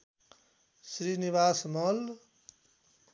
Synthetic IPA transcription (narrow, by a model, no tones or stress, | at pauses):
sɾiniβaːsmʌl